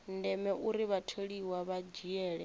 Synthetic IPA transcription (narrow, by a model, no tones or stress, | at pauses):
ndɛmɛʔuɾiβatʰeɺiwaβad͡ʒiɛːɺɛ